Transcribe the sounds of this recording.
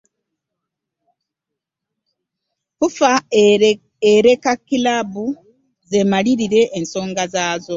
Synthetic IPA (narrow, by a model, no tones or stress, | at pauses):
kufa | eɾe̞kakːilabu | zemaliɾiɾe̞ʔːnso̞ːŋɡazaːzo̞